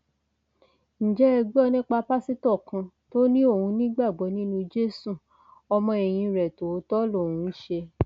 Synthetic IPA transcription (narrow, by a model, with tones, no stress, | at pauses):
ñ̩˨d͡ʒɛ˦ɛ˧ɡ͡bɔ˦nĩ˦k͡pa˧pa˦si˦tɔ˦˨kã˧ | to˦nĩ˦o˦˨hũ˧nĩ˦ɡ͡ba˦˨ɡ͡bɔ˨˦nĩ˦nũ˧d͡ʒe˦su˦˨ | ɔ˧mɔ̃˧ɛ˨j̃ĩ˧ɾɛ˨to˨˦tɔ˦lo˦˨ũ˨˦ʃe˧